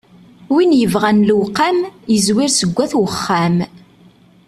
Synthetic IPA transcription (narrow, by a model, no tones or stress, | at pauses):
winjəvʁænlwqːamjəzwiɾsəɡʷːæθwəχːæm